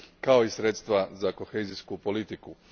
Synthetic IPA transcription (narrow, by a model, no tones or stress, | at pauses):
kao̞isɾet̪st̪ʋazako̞xeːziskupo̞lit̪iku